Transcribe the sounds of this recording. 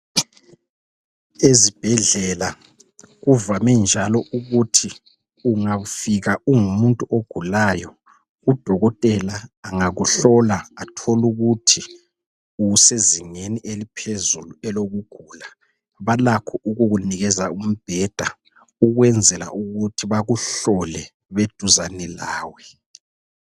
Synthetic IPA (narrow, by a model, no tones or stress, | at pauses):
ezib̥ʱɛɮɛla | ɣuvamɛnd͡ʒʱalɔʔuɣutʰi | uŋafiɣaʔuŋumuntʼuʔoɡ̥ʱulajɔ | ɣud̥ʱɔɣɔtʼɛlaːŋaɣuɬɔlaatʰoluɣutʰi | useziŋeniʔelipʰezuluɛloɣuɡ̥ʱuːla | βalakʰɔʔuɣuɣuniɣɛzaum̩b̥ʱɛːd̥ʱa | uɣwɛnd͡zʱɛla̰ʔuɣutʰiβaɣuɬɔlɛ | βed̥ʱuzanɛlaːwɛ